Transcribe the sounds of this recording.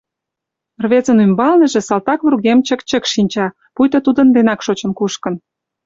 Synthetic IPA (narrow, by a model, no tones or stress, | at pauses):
rβet͡sənymbɑlnə̆ʒĕsɑlt̪ɑkβurɣemt͡ɕə̆kt͡ɕəkʃinʲt͡ɕɑ | pujt̪ot̪ud̪ənd̪enɑkʃot͡ɕə̆nkuʃkə̆n